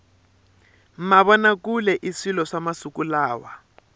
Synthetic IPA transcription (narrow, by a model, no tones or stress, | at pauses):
m̩maβɔnakulɛʔisilɔʂamasukulaːwa